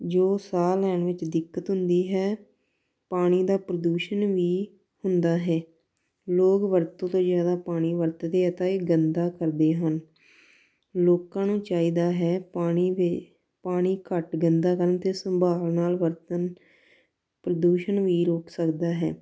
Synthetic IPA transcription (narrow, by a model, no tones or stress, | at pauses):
d͡ʒoːsaːlɛːɳʋɪt͡ʃd̪ɪkːət̪ɦʊnd̪iːɦɛː | paːɽ̃iːd̪aːpɾəd̪uːʃənʋiː | hʊnd̪aːɦɛː | loːkʋəɾt̪õːt̪õːzjaːd̪aːpaːɽ̃iːʋəɾt̪d̪eːɛt̪aːeːɡənd̪aːkəɾd̪eːɦən | loːkãːnũːt͡ʃaːiːd̪aːɦɛːaːɳiː | paːɽ̃iːkəʈɡənd̪aːkəɾnt̪eːsəmbʱaːlnaːlʋəɾt̪ən | pɾəd̪uːʃənʋiːɾoːksəkd̪aːɦɛ̰ː